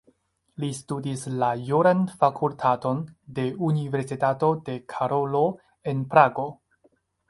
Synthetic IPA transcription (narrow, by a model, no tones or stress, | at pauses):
listudislajuɾanfakʰultʰato̞nde̞unive̞ɾsitato̞de̞kʰaɾo̞lo | e̞npɾaɡo̞